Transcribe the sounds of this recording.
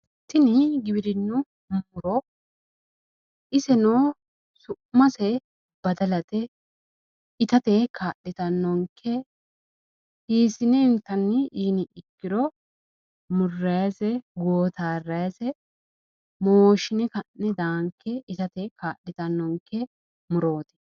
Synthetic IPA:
t̪ːɪnɪɡɪbɪɾɪnːʊ | muʊɾɔ | ɪsɛnoː | sʊ | mːɐsɛ | b̥ɐd̪ɐlɐt̪ɛ | ɪt̪ɐt̪ekʰaːɗːɪt̪ɐnːɔŋkʰːɛ | hiːsɪnɛɪnt̪ːɐnːɪʔiːnɪɪkːɪd̪ɔ | mʊrːɐjsɛɡoːt̪aːrːɐjsɛ | moːʃɪnɛkɐnːɛd̪aːŋkʰːɛɪt̪ɐt̪ekaːɗːɪt̪ɐnːɔŋkːɛ | mʊɾoːt̪ɪ̥

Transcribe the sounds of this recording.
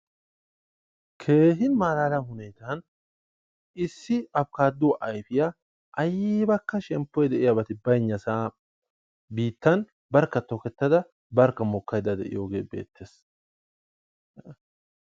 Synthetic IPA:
kʰe̞ːɦɪnmaːlaːlɐɦʊnɛjt̪ɐn | ɪsːɪɐb̚kaːd̪ːʊwʔɐjfɪja | ʔɐjɪbɐkːɐʃɛmpːɔjd̪ɛʔɪjabɐt̪ɪbɐjɲːɐsaː | biːt̪ːɐn | bɐɾkːɐt̪ɔkɛt̪ːɐd̪ɐ | bɐɾkːɐmɔkːɐjd̪ɐd̪ɛ̰ʔɪ̰joːɡḛːbe̞̰ːt̪ʰːe̞ːs

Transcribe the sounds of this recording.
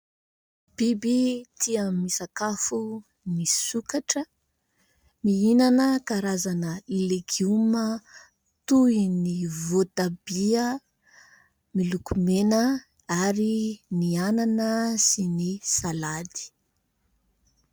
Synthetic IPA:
b̥ibit̪iəmisakafu | nisukaʈ͡ʂə | miinanəkaɾazanəileɡiumə | t̪uinivot̪abiə | milukumenə | aɾiniananəsinisalad̪i̥

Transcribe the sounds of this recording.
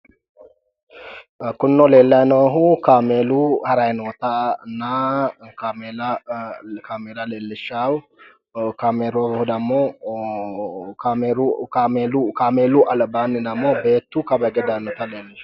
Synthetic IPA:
kʊnːoleːlːɐjnoɦukaːmeːluhɐɾajnoːt̪anːakamela | kʰaːmeːlaleːlːɪʃaw | kameːɾobhd̪ɐmːoː | aeɾamelukaːmeːluʔɐlbaːnɪd̪ɐmːoːbeːt̪ːukɐbɐɡɛd̪ajnoːt̪aleːlːɪʃ

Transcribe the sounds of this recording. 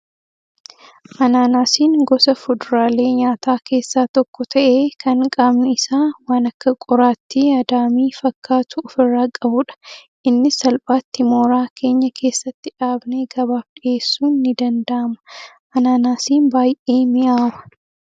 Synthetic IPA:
ʔɐnaːnaːsiːŋɡɔsɐfʊd̪ʊɾaːle̞ːɲaːt̪aːkʰe̞ːsːaːt̪ɔkːɔt̪ʰɐʔe̞ːkʰɐŋkʼaːbnʊɪsaːwaːnɐkːɐkʼɔɾaːt̪ːɪɐd̪aːmiːfɐkːaːt̪ʊːfɪrːaːkʼɐbʊᶑɐ̥ | ʔɪnːɪsɐlpʼaːt̪ːɪmoːɾaːkʰe̞ːɲːɐkʰe̞ːsːɐt̪ːɪᶑaːbne̞ːɡɐbaːfᶑɪʔe̞ːsːuːnːɪd̪ɐnd̪ɐʔɐmɐ̥ | ʔɐnaːnaːsiːnbaːjʔeːmɪʔaːmɐ̥

